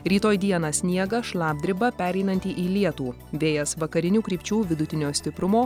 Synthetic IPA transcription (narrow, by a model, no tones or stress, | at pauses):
ɾʲiːt̪oːjd̪ʲiɛnɑsʲnʲiɛɡɐʃlˠɑːb̚ʲd̪ʲɾʲɪbɐpʲæːɾʲɛɪnɐnʲt̪ʲiːʔiːlʲiɛt̪uː | ʋʲeːjɛsʋɐkɐɾʲɪnʲuːkɾʲiːpʲt͡ʃʲuːʋʲɪd̪ʊt̪ʲɪnʲoːsʲt̪ʲɪpɾʊmoː